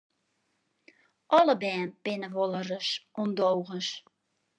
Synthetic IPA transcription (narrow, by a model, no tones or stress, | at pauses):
ʔɔləbɛːnpɪnəʋolˠərəsʔɔmdowɣəns